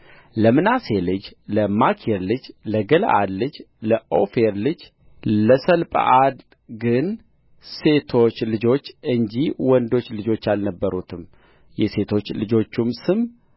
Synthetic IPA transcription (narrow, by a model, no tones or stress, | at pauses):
ləmɨnase̞lɨd͡ʒləmakʰeɾlɨd͡ʒləɡəl̰ʔad̪lɨd͡ʒləʔo̰feɾlɨd͡ʒ | ləsəlpʼə̰ʔad̪ | ɡɨn | se̞t̪ʰo̞t͡ʃːlɨd͡ʒo̞t͡ʃːɨɲd͡ʒiwɔnd̪o̞t͡ʃːlɨd͡ʒo̞t͡ʃːalnəbːəɾut̪ʰɨm | jɛse̞t̪ʰo̞t͡ʃːlɨd͡ʒo̞t͡ʃːumsɨm